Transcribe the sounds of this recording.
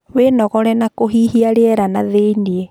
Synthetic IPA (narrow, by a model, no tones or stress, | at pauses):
wenɔɣɔɾɛnakoɦiɦiaɾeɛɾanaðeiniɛ